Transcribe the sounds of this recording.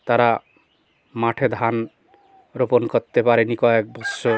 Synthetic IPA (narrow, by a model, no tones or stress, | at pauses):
t̪aɾa | maʈʰed̪ʱan | ɾopɔnkɔt̪ːepaɾenikɔek̚bɔsːo